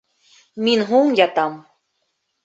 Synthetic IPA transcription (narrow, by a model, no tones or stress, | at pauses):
mʲinɦuŋjɑt̪ɑm